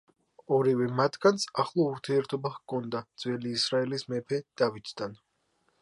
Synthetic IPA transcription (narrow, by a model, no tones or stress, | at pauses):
ɔɾivɛmat̪ʰɡant̪saχlˠɔuɾt̪ʰiɛɾt̪ʰɔbaχkʰɔnd̪ad̪z̥wɛliːsɾaɛlismɛpʰɛd̪̥avit̪ʰd̪an